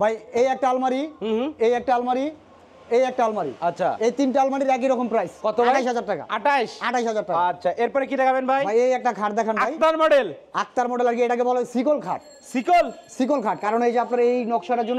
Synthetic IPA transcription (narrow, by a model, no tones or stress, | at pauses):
bʱajejɛk̚ʈaalmaɾiɦejɛk̚ʈaalmaɾi | ejɛk̚ʈaalmaɾḭatːʃʰa̰ejt̪inʈaalmaɽiɾɛk̬iɾɔkompɾajskɔt̪oaaʈajʃɦad͡ʑaɾʈaka̰aʈajʃaʈajʃɦad͡ʑaɾʈːaatːɕʰaʔeɾpɔɾekid̪ɛkʰabenbʱajbʱajejɛk̚ʈakʰaʈd̪ɛkʰanbaajt̪aɾmɔɖelak̚t̪aɾmɔɖelaɾɡiejʈakebɔlesikolkʰaʈ | sikolsik̬olkʰaʈkaɾonejd͡ʑeapnaɾaejnɔkʃaɾaɾd͡ʑonː